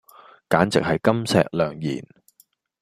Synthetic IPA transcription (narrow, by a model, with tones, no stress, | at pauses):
kaː˨˥nt͡sɪ̰˨k̚hɐ˨jkɐ˥msɛ̰ː˨k̚lœː˨ŋjḭː˨˩n